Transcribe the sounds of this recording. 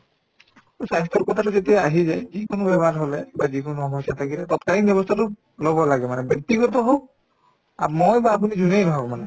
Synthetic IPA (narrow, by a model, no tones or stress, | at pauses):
t̪osajst̪ɔɹkɔt̪ʰatuset̪̬ɛaɦizajzikonobɛbʱaɾɦolɛbazikonoɔmɔsat̪ʰakilɛt̪ɔt̪̚kalinbjɔbɔst̪ʰatʊ | lɔbɔlaɡɛmanɛbjɔk̚t̪iɡɔt̪ɔɦo | amojbaːp̬unizunejnɔɦɔkmanɛ